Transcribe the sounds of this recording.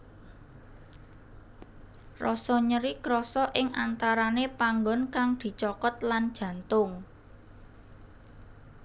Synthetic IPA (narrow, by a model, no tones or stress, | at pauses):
rɔsɔɲəɾikɾɔsɔʔɪŋʔant̪aɾanepaŋɡɔ̤nkaŋd̪̥i̤t͡ʃɔkɔt̪̚land̥ʒ̥ä̤nt̪ʊŋ